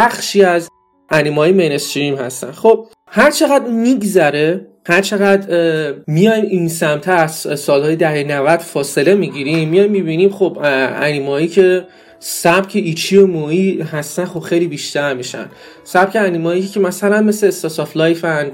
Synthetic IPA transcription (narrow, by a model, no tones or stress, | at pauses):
bæxʃiːæz | ʔænimɒːjemenest̪ɾimhæ̰st̪æ̰nχob̥̚ | hæɾt͡ʃʰe̞ɣæd̪miɡzæɾe | hæɾt͡ʃʰe̞ɣæd̪mijɒjminsæmt̪ʰææssɒːlhɒːjed̪æɦenævæd̪̥fɒːse̞le̞miɟiɾimːijɒjmmibinimχobæ̰nimɒicʰe̞ | sæb̥cʰeʔit͡ʃʰiomoiɦæst̪ænχo̞b̥xejlibiʃt̪æɾmiʃæ̰n | sæb̥cʰeænimɒicʰemæsælænme̞seːst̪ɒsɒflɒjfæn